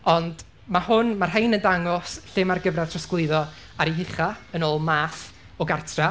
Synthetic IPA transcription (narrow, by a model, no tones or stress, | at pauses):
ɔnd | mahʊnmarhajnəndaŋɔsɬɪmarɡəvrɛ̥tʰrɔsklˠɪɨðɔ | aɾiɦɪχaənoːlˠmaːθ | ɔɡartʰra